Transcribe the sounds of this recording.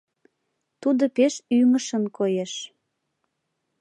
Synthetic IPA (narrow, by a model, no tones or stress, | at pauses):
t̪ud̪opeʃyməʃənkojeʃ